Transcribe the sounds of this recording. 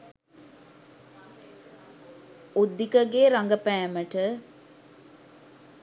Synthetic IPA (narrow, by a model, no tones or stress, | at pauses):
ud̪ːikəɡeɾaŋɡəpæːməʈə